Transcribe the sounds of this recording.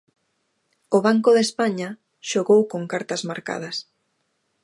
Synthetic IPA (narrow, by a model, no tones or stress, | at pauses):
ʊβaŋkʊðespaɲa | ʃoɣowkoŋkaɾt̪ɐzmaɾka̰ð̞ɐs